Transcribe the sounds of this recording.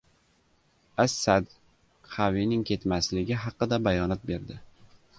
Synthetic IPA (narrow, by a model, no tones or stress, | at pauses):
asːad̪ | qʰavinɪŋkʲʰe̞t̪maslɪɡʲɪɦɑqːɨd̪abajɒnat̪̚be̞ɾd̪ɪ